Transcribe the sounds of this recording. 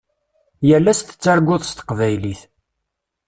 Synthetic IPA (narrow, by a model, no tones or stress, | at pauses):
jəlːæst̪ə̥t͡sːæɾɡʷʊðˤst̪ə̥qvæjliθ